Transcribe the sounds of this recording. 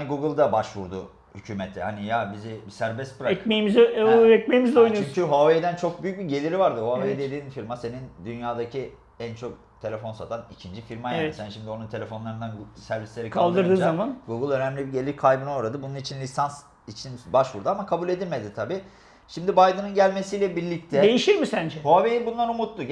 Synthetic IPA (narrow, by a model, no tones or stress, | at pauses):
aniɡuɡɯlˠd̪abaʃvuɾd̪ʊ | hycʰyːmet̪ʰɛhanijabizibisæɾbɛst̪̚pʰɯɾaɛkmejimizɛc̚mejimizd̪ojnut͡ʃyɲcʰyɦoaved̪ænt͡ʃʰo̞k̚byjyc̚biɟe̞lʲiɾivaɾd̪ɯhoavejd̪elʲiinfiɾmase̞nind̪ynjaːd̪acʰi | ænt͡ʃʰo̞k̚ | t̪ʰe̞lʲe̞fo̞nsat̪ʰanicʰind͡ʒifiɾmajaːɛisænʃimd̪io̞nunt̪ʰe̞lʲe̞fo̞nlˠaɾɯnd̪anɡsæɾvislʲe̞ɾikʰalˠd̪ɯɾd̪ɯːzamanɡuɡɯlˠø̞næmlʲibiɟe̞lʲiɾkʰajbɯno̞ɾad̪ɯbununit͡ʃʰinlʲisans | it͡ʃʰinbaʃvuɾd̪aamakʰabulʲe̞d̪ilʲmed̪it̪ʰabiː | ʃimd̪ibajd̪ɯnɯnɟælʲme̞siːlʲɛbiɾlʲic̚t̪ʰɛd̪ejiʃiɾmisænd͡ʒɛho̞avejibunlˠanumut̪lˠu